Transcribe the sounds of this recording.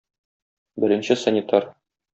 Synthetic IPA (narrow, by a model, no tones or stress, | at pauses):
bɘ̆ɾɘ̆nɕɘsənʲɪt̪ɑɾ